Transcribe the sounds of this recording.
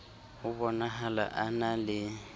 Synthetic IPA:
ʊbɔnaɦala̰ʔanalɪ

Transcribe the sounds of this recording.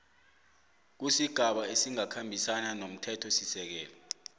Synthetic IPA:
k̬usiɡ̥ʱaɓaesiŋakʰambʱisananom̩tʰɛtʰɔsisɛk̬ɛːlɔ

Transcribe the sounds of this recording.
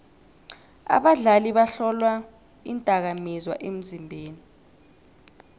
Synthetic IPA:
a̰ɓaɮaliɓaɬɔlwa | intʼak̬amizwa̰ʔem̩zimbʱeːni

